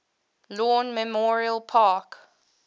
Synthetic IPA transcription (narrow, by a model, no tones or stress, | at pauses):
lɔnmɛmɔɹiəlˠpʰaːk